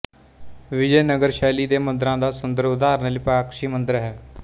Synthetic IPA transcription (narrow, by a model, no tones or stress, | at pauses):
ʋɪd͡ʒɛːnəɡəɾʃɛːliːd̪eːmə̃nd̪ɾãːd̪aːsʊnd̪əɾʊd̪aːɾnəlipɾaːkʃiːmənd̪əɾɦɛː